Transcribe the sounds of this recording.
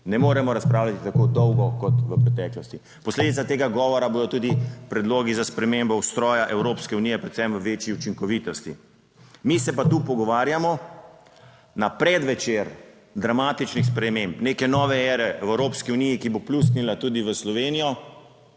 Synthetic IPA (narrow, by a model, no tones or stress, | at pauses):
nɛmoːɾɛmɔɾaspɾaːwlʲjat̪i̥t̪akod̪ɔwɡɔkɔt̪ʋəpɾɛt̪ɛːklɔst̪i | pɔsled̪it̪sat̪eɡaɡɔːʋɔɾaboːd̪ɔt̪uːd̪ipɾɛd̪loːɡizaspɾɛmembɔwst̪ɾɔːjaʔɛwɾoːpskɛunijɛpɾɛt̪sɛmʋəʋet͡ʃiut͡ʃiŋkɔʋit̪ɔst̪ḭ | misɛpat̪uːpɔɡɔʋaːɾjamɔ | napɾɛd̪ʋɛt͡ʃeɾ | d̪ɾamaːt̪it͡ʃnixspɾɛmempneːkɛnɔːʋɛɛɾɛɛʋəwɾoːpskiunijikiboplust̪nilat̪uːd̪iʋəslɔʋenijɔ